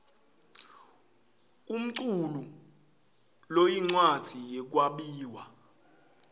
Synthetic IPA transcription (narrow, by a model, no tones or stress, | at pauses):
um̩ǀulu | lojiŋ͡ǀwad̥d͡z̥ʱijɛk̬waɓiːwa